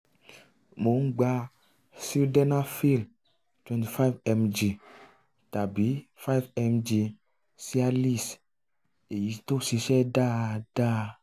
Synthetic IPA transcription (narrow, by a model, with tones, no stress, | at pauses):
mo˨˦ŋ̩˦ɡ͡ba˦ | si˦ldɛ˦na˦fi˦˨l | t̪wɛ̃˨nt̪i˨fa˦vɛ˦md͡ʒi˨ | t̪a˨bi˨˦fa˦jvɛ˦md͡ʒi˧ | si˦a˦li˦s | e˨ji˨˦t̪o˦si˧ʃɛ˦ɖa˦ɖ̥a˦